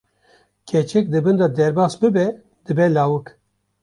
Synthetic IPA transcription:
kʲʰɛt͡ʃʰɛk̚d̪ɨbɨnd̪ɑd̪ɛɾbaːsbɨbɛ | d̪ɨbɛlaːwɨk

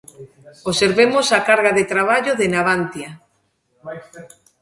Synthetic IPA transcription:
oseɾβemosakaɾɣaðet̪ɾaβ̞aʎoðenaβant̪ja

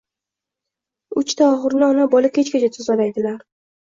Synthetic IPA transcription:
ʊt͡ʃt̪ʰaɒʁɨɾnɪɒnabɒlɪkʲʰet͡ʃkʲat͡ʃʰat̪ʰʊzalajd̪ɪlaɾ

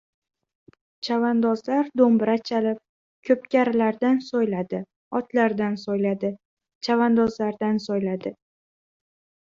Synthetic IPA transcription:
t͡ʃʰavand̪ɒzlaɾd̪ombɪɾat͡ʃʰalɪp̚ | kʲʰɵp̚kʲaɾɪlaɾd̪ansojlad̪ɪ | ɒt̪laɾd̪ansojlad̪ɪ | t͡ʃʰavand̪ɒzlaɾd̪ansojlad̪ɪ

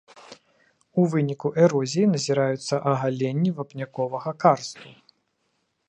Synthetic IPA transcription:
uvɨnʲikuʔɛɾɔzʲijinɐzʲiɾajut̪sːɐʔɐɣalʲenʲːivɐpnʲakɔvɐɣɐkarst̪u

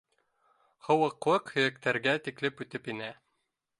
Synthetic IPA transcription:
hɤ̆wɤ̆qlˠɤqhɵ̆jæk̚t̪æɾɡæt̪iklɘpʉt̪ɘpinæ

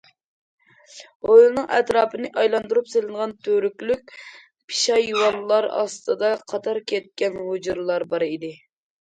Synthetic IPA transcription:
ojlˠɨnɨŋɛt̪ɾɑːpɨnɨʔɑjlˠɑnd̪uɾupselɪnəʁɑnt̪ʰøɾykʲlykʲ | pʰi̥ʃɑjuwɑllːˠɑɾɑ̰st̪ʰɨd̪ɑqʰɑt̪ʰɑɾkʲʰɛt̪̚kʲɛnɦod͡ʒuɾlˠɑɾbɑɾid̪ɪ

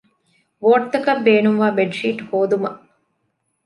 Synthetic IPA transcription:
ʋoːʈ̚t̪ɐkɐbːeːnumʋaːbeɖʂiːʈhoːd̪umɐ

